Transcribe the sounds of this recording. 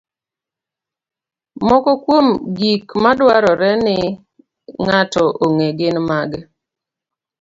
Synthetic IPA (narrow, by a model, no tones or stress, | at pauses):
mɔkɔkwomɡikmadwaɾɔɾɛnɪ | ŋatɔʔoŋeɡɪnmaɡɛ